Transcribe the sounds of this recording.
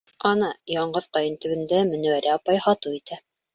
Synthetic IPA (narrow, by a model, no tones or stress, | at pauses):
ɑnɑjɑɴɢɤðqɑjɤnt̪ɵ̆wɘ̆nd̪æmɘ̆næ̆wæɾæɑpɑjhɑt̪ɤit̪æ